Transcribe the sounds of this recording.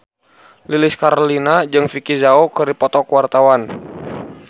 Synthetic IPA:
lilɪskaɾolinad͡ʒɨŋfikizaokɨɾipɔt̪ɔkəwart̪awan

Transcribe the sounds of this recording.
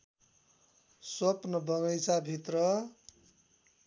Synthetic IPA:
sʌpnʌbʱʌŋʌjt͡sabʱit̪rʌ

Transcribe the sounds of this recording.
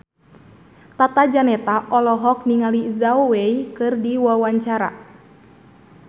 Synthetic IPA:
t̪at̪ad͡ʒanɛt̪aʔɔlɔɦɔk̚niŋalizawwɛikɨrdiwawaɲt͡ʃaɾa̰

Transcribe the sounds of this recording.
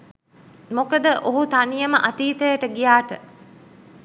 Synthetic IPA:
mokəd̪əʔoɦut̪ɐnijɐməʔɐt̪iːt̪əjəʈəɡijaːʈə

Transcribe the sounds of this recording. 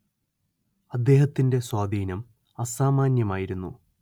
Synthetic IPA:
ɐd̪ːe̞ːɦɐt̪ːinde̞swaːd̪iːnɐm | ɐsaːmaːnjɐmaːjiɾunːṵ

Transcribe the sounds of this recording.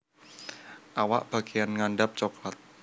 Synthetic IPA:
ʔawa̰ʔb̥a̤ɡ̥ejanŋaɳɖap̚t͡ʃoklat̪̚

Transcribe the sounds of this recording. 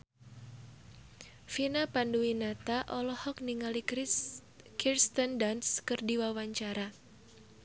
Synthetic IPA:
finapanduwinat̪aʔɔlɔhɔk̚niŋali | kirst̪əndanskɨrdiwawaɲt͡ʃaɾa

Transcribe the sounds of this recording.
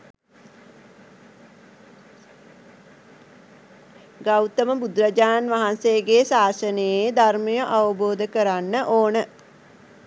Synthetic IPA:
ɡawt̪əməbud̪rəd͡ʒaːnʋaɦansejəɡeːsaːsənəjed̪arməjəʔaʋəboːd̪əkəɾanːəʔoːnə

